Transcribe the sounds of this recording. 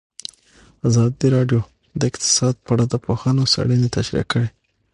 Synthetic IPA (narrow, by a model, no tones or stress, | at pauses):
azɑd̪iɾɑɖjo | d̪əɪqt̪ɪ̥sɑd̪̚paɽad̪əpoxɑnosa̰ɽənet̪aʃɾḭkːəɽe